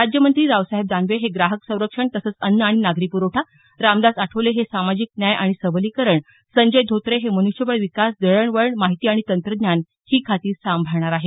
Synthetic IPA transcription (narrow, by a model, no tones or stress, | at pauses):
ɾad͡ʑjəmənt̪ɾiːɾaʋsaɦeb̚d̪anʋeɦeɡɾaɦəksə̃w̃ɾəkʂəɳt̪əsəːt͡sənːaɽ̃inaɡɾipuɾəʈʰa | ɾamd̪asaʈʰəʋleɦesamad͡ʑiːk̚njajʔaɽ̃isəbəliːkəɾəɳ | səɲd͡ʑəjd̪ʱot̪ɾeɦemənuʂjəʋəɭʋikasd̪əɭəɳʋəɭɳmaɦit̪iːaɽ̃it̪ənt̪ɾəd̪njan | hiːkʰat̪iːɾsambʱaɾɳ̃aɾaɦe